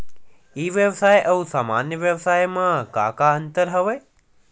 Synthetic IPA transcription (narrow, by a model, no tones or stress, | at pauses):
iʋjəʋsajʔəũsaːmanjəʋjəʋsajmãkakaənt̪əɾɦəʋe